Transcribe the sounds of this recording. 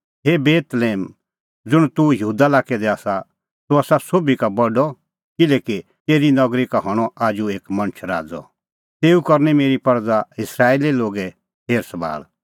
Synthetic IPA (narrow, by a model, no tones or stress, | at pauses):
ɦebeːt̪leːm | d͡zʊɽ̃t̪ujɐɦuːd̪alaːkɛd̪ɛaːsa | t̪uaːsasoːbikabɔɖɔ | kɪlɛːki | t̪eːɾinɐɡɾikaɦɔɽ̃ɔaːd͡ʒueːkmɐnt͡ʃʰɾa̰ːd͡zɔ̰ | t̪eːukɐɾnɛmeːɾipɐɾd͡zaɪsɾaːeːliloːɡɛ | heːɾsɐba̰ːl